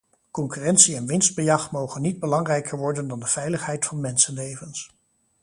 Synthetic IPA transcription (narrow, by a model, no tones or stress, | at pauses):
kɔŋkyːrɛnsiɛnʋɪnzd̚bəjɑχtmowχənːid̚bəlɑŋrɛjkəɹʋɔɹdəndɑndəv̥ɛjləχɦɛjtfɑnmɛnsənlejvəns